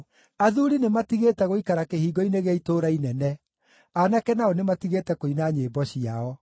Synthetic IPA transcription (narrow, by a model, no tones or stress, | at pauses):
aðuɾinematiɣetɛɣoikaɾakehiːɡɔineɣeaitoːɾainɛnɛ | anakɛnaɔnematiɣetɛkoinaɲeːbɔɕiaɔ